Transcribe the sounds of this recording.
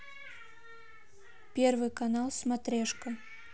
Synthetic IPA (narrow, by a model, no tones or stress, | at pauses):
pʲɛrvɨkanalˠsmat̪ɾʲɛʂkɐ